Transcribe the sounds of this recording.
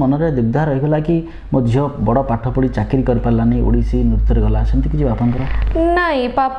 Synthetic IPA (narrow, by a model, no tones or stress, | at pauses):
mɔnɔɾed̪uɡ̚d̪ʱaɾɔɦibelaki | mod̪ʱjɔbɔɽɔpaʈʰɔpuɽit͡ʃakiɾikɔɾipaɾlaniʔṵɽisinuɾut̪ʰːɔɾeɡɔlasɔnt̪ʰikit͡ʃʰibapɔnkɔɾɔnaj̃pap